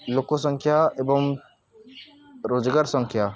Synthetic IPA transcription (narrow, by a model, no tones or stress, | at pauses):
lokːosɐ̃ŋkʰjaebɐm | ɾoːd͡ʒɡaːɾsɐ̃ŋkʰja